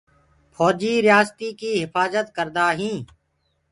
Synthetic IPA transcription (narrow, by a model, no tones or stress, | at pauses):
pʰɔːd͡ʒiːɾɪjaːst̪iːkiːɦɪfaːzət̪kəɾd̪aːɦĩː